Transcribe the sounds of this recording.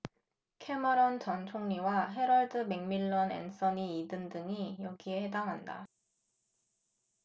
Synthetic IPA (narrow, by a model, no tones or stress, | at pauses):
kʰe̞maɾʌnt͡ɕʌnt͡ɕʰoŋɲiwaɦe̞ɾʌɭdɯme̞ŋmiɭːʌnḛns͈ʌniːdɯndɯŋijʌɡiehedaŋɦanda̰